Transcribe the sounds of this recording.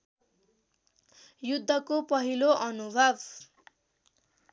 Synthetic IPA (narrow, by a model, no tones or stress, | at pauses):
jud̪ʱːʌkopʌɦiloʔʌnubʱʌb